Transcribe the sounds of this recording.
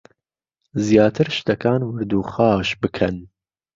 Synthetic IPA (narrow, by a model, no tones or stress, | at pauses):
zjɑːt̪ʰɨɾʃt̪ɐkʰɑːnwɨɾd̪uːxɑːʃbɨkʰɛn